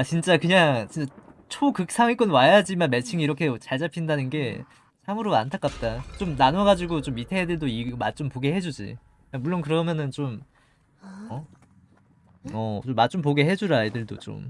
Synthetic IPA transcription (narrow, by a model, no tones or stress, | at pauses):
at͡ɕint͡ɕ͈akɯɲaŋt͡ɕint͡ɕ͈at͡ɕʰokɯk̚s͈ʰaŋik͈ʌnwajad͡ʑimanmet͡ɕʰiŋiiɾʌkʰe̞t͡ɕaɭd͡ʑapʰindanɯnɡe̞ | t͡ɕʰamɯɾoantʰak͈ap̚t͈at͡ɕomnanʌɡad͡ʑiɡot͡ɕomitʰeedɯɭdoiɡomat̚t͡ɕ͈ompoɡeɦe̞d͡ʑud͡ʑḭ | amuɭːonkɯɾʌmjʌnɯnt͡ɕom | ʌ | ʌt͡ɕomːat͡ɕ͈omp̬oɡeɦe̞d͡ʑuɾaidɯɭdo̰t͡ɕ͈o̰m